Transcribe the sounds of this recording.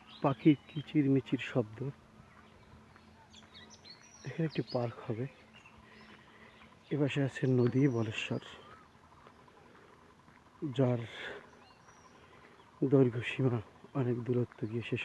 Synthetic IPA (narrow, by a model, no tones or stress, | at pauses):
pakiɾkit͡ɕiɾmit͡ɕiɾʃɔb̚d̪o | ekʰaneek̚ʈipaɾkhɔbe | ebaʃeat͡ɕʰenod̪ibɔleʃːɔ̰ɾ | d͡ʑaɾ | d̪oɾɡʱoʃimaɔnekd̪uɾot̪ːoɡieʃeʃ